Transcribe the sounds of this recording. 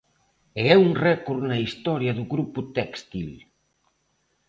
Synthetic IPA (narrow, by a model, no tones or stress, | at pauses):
eɛuŋrɛkuɾnaist̪ɔɾjaðuɣɾuput̪ɛkst̪il